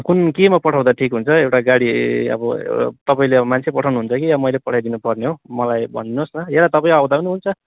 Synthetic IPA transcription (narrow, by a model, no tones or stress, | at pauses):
kunkimapʌʈʰaw̃d̪aʈʰikɦunt͡sʰʌewʈaɡaɽiʌ̰bʌ̰t̪ʌpaĩleʌbʌmant͡sʰepʌʈʰawnuɦunt͡sʰʌkijamʌjlepʌʈʰajd̪inupʌrneɦomʌlajbʱʌ̰nːosnʌelat̪ʌpaĩawd̪apʌniɦunt͡sʰʌ